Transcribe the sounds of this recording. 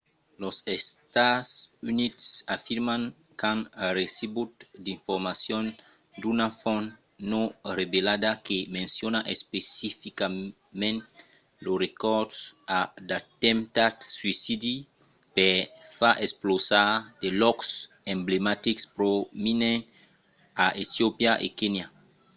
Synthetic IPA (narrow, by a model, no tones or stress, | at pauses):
losest̪asunit̪safiɾmãŋ | kãnresibut̪d̪ĩɱfoɾmasjõn | d̪unafõn | norebelad̪akemẽnsjonaʔespesifika | mẽnt̪ | lorekɔɾdsad̪at̪ɛ̃mt̪at̪swisid̪i | pefaʔesplosad̪̥elɔks | ẽmblemat̪ikspɾominẽ | aʔet̪jopjaʔḛkenja